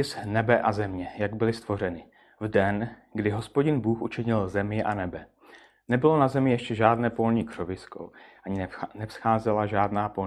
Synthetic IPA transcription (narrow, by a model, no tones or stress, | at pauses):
ɪsnɛbɛʔazɛmɲɛjaɡbɪlɪst̪vo̞r̝ɛnɪ | vdɛnɡdɪɦo̞spo̞ɟɪnbuːxʔut͡ʃɪɲɪlzɛmɪʔa̰nɛbɛ | nɛbɪlo̞nazɛmɪjɛʃcɛʒaːdnɛːpo̞lɲiːkr̥ovɪsko̰ʔaɲɪnɛfsxaːzɛlaʒaːdnaːpo̞l